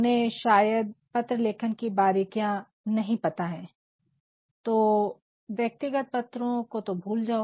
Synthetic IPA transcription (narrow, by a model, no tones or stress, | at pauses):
nɦẽʃaːjəd̪̚pɐt̪ɾəleːkʰənkibaːɾikijã | nɐɦĩpɐt̪aɦɛ̃ː | t̪oː | ʋjɐk̚t̪ɪɡət̪̚pɐt̪ɾõkot̪obʱuːld͡ʒaːo